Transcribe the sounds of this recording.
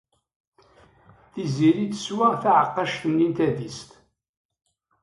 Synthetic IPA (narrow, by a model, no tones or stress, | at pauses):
θiziɾiθə̥swaʁθaʕəqːɑʃt̪ənːint̪æðist̪